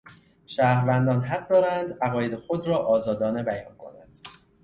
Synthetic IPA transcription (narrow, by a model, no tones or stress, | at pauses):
ʃæːhɾvænd̪ɒːnɦæɢ̚d̪ɒːɾænd̪æɣɒːje̞d̪exod̪ɾɒːʔɒːzɒːd̪ɒːne̞bæjɒ̰ːnkʰo̞̰nænd̪̥